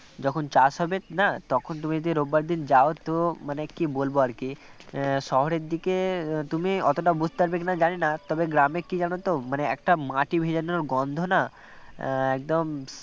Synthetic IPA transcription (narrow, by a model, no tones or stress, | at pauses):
d͡ʑɔkʰont͡ɕasɦɔbenat̪ɔkʰont̪̬umid͡ʑod̪iɾobːaɾd̪ind͡ʑaot̪omanekibolboaɾki | ʃɔɦoɾeɾd̪iket̪umiɔt̪oʈabud͡ʑʱt̪aɾbek̬inad͡ʑanenat̪ɔbeɡɾamekid͡ʑanot̪omaneɛk̚ʈamaʈibʱed͡ʑanonoɾɡɔnd̪ʱona | ɛk̚d̪om